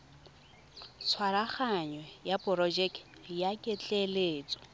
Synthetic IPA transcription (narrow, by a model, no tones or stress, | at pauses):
t͡sʰwaɾaχaɲwɛjapʼʊrɔd͡ʒɛkjakʼɪt͡ɬʼɛleːt͡sʼɔ̥